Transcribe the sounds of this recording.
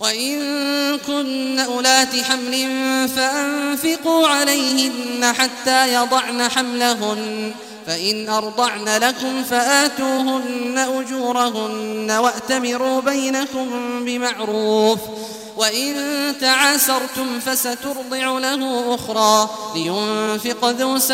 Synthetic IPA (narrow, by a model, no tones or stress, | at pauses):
waʔɪnkʊnːaʔʊlaːt̪ɪħamlɪnfaʔamfɪquːʕalajhɪnːaħat̪ːaːjɑd̪ˤɑʕnaħamlaɦʊn | faʔɪnʔɑɾˤd̪ˤɑʕnalakʊmfaʔaːt̪uːɦʊnːaʔʊd͡ʒuːɾˤaɦʊnːawaʔt̪amɪɾuːbajnakʊmbɪmaʕɾuːf | waʔɪnt̪aʕaːsɑɾˤt̪ʊmfasat̪ʊɾd̪ˤɪʕʊlahʊːʔʊxɾˤɑː | lɪjʊnfɪqðuːs